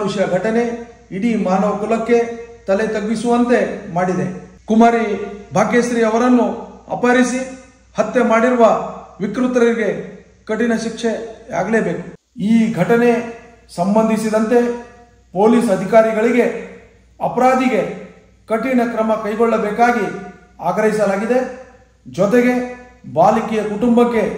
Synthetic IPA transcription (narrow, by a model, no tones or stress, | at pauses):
uʃɐɡʱɐʈɐne̞ | iɽimaːnɐʋɐkulɐkːe̞t̪ɐlet̪ɐɡːisuʋɐnt̪e̞maːɽid̪e | kumaːɾibʱaːɡjesɾiɐʋɐɾɐnːuɐ̰pɐɾisi | hɐt̪ːemaːɽiɾuʋɐʋikɾut̪ɐɾɐɾiɡe̞ | kɐʈinɐʃikʂea̰ːɡleːbe̞ːku̥ | iːɡʱɐʈɐne̞ | sɐmbɐnd̪ʱisid̪ɐnt̪e̞ | poːliːsɐd̪ʱikaːɾiɡɐɭiɡe̞ | ɐpɐɾaːd̪iɡe̞ | kɐʈinɐkɾɐmɐkɐjɡɔɭːɐbɛːkaːɡi | aːɡɾɐɦisɐlaːɡid̪e̞ | d͡ʒɔt̪̬eɡe̞baːlikiːjɐkuʈumbɐkːe̞